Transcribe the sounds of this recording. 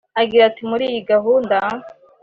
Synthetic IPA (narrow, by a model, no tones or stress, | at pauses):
aɡiɾatimuɾiːjiɡaɦuːnda